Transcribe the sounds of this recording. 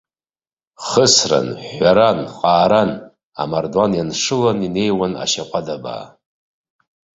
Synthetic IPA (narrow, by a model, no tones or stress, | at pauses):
χəsra̰nħʷaɾanqʼaːɾan | a̰mardwanjanʂɨlanine̞jwana̰ʃaqʷʼadaba̰ː